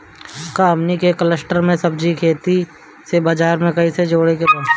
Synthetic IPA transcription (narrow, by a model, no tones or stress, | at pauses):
kaːmnikekələsʈəɾmẽsɐbd͡ʒikʰeːt̪i | sebaːd͡ʒaːɾmẽkɐised͡ʒoːɽekebaː